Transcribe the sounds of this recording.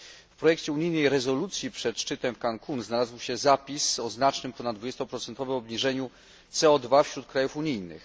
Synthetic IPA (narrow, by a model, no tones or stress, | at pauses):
fpɾɔjɛkt͡ɕɛuɲijnɛjɾɛzɔlut̪sʲjipʂɛt̪ʂt͡ʂɘt̪ɛmkaŋkʰunznalazwɕɛzapʲisɔznat͡ʂnɘmpɔnad̪d̪vud͡ʑɛst̪ɔpɾɔt̪sɛnt̪ɔvɛmɔbɲiʐɛɲu | t̪sɛɔd̪vafɕɾut̪̚kɾajufuɲijnɘ̰x